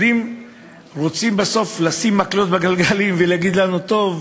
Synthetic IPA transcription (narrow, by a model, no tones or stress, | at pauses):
im | ʁot͡simbaso̞flasimːaklot̪baɡalɡalimveleaɡid̪lanut̪o̞v